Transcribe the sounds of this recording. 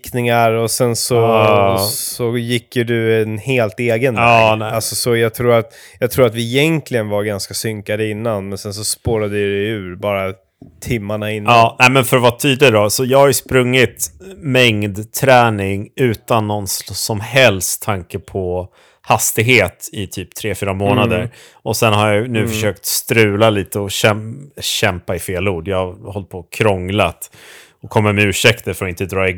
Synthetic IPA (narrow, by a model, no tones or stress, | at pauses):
knɪŋaɾɔsɛnsɔ | sɔjɪkːjɵd̪ɵɛnheːlt̪eːɡənɑːɛalsɔsɔjɑɡ̚t̪ʰɾuːɾat̪jɑːɡt̪ʰɾuːɾat̪vɪːjɛŋklɪɡənvaɾɡanskasʏŋkad̪əɪnːanmɛnsɛns̬ɔspoːɾad̪əɪd̪ɛʉ̟ːɾbɑːɾa | t̪ʰɪmːaɳaɪnːɑːnæɪmɛnfœɾɔvat̪ʰyːd̪ədɔsɔjɑːɡhajɵspɾɵŋːɪt̪mɛŋd̪t̪ʰɾɛːnɪŋʉ̟ːt̪anːɔnssɔmɦɛlst̪ʰːaŋkəpʰɔ | hast̪ɪɡɦeːt̪ɪt̪ʰyːp̚t̪ʰɾeːfyːɾamoːnad̪əɾ | ɔsɛnhaɾjanʉ̟ːfœʂøːkt̪st̪ɾʉ̟ːlaliːt̪əɔɕɛmɕɛmpaɪfeːluːɖjɑhahɔlt̪̚pʰoːkʰɾɔŋlat̪ | ɔkʰɔmːamɛʉ̟ːʂɛkt̪əɾfœɾɔɪnt̪əd̪ɾɑːɪ